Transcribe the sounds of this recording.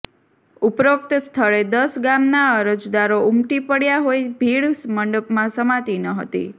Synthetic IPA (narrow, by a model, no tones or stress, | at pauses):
upɾʋək̚t̪st̪ʰəɭed̪əsɡamnaəɾəd͡ʒd̪aɾoʊmʈipəɽjaɦojbʱiɽsməɳɖəpmãsəmãt̪inəɦə̰t̪ḭ